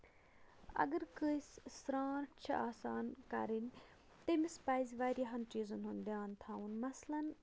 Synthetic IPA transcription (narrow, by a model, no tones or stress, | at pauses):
ɐ̰ɡəɾkəssɾaːnt͡ʃʰaːsaːnkɐ̰ɾin | t̪eːmɪspaːizʋaːjɾjaɦɐnt͡ʃiːzunɦʊnd̪eaːnt̪ʰaːunmɐslən